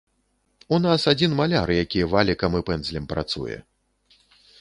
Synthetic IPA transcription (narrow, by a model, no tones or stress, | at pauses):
unasad͡zʲinmalʲarjakʲijɛvalʲikɐmɨpɛnd̪zlʲɛmpɾa̰t̪sṵjɛ̰